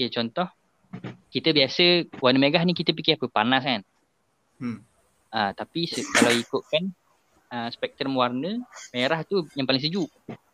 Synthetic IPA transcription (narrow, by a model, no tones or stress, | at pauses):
ket͡ʃɔnt̪ɔh | kit̪əbiasəwarnəmeɡahnikit̪əpikɪhapəpanaskan | ət̪apisəkalawikʊʔ̪̚kan | əspɛk̚t̪ɾəmwarnəmeɾaht̪ujaŋpalɪŋsəd͡ʒuʔ